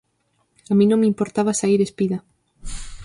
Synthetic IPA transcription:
amĩnõŋmimpoɾt̪aβasaiɾespiða

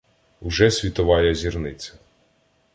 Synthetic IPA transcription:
ʊʒɛsʲʋʲit̪ɔʋɑjɐzʲirnɪt͡sʲɐ

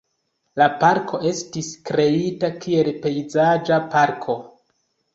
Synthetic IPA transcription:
lapaɾkʰo̞ʔe̞stiskɾe̞itakʰie̞lpe̞jzad͡ʒapaɾkʰo̞

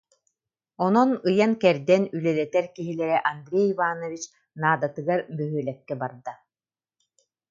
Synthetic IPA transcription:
ɔnɔnɯjankɛɾd̪ɛnylɛd̪ɛt̪ɛɾkiɦilɛɾɛʔand̪ɾʲejvaːnɔvit͡ɕ | naːd̪at̪ɯɡaɾbœɦyːlɛkːɛbaɾd̪a

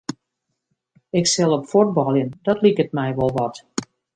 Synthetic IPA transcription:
ɪksɛlˠɔpfud̚bɔlˠjənd̥ɔtlikət̚mɛjʋɔlˠʋɑt

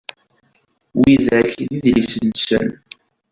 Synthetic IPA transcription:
wiðæçðiðlisənsə̰n

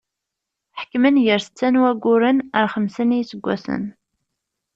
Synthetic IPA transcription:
ħə̥kːmənjəɾsə̥t͡sːænwæɡʷːʊɾənəɾχəmsənijsəɡʷːæ̰sə̰n

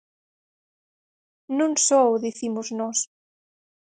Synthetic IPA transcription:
nũŋsoðiθimʊznɔs

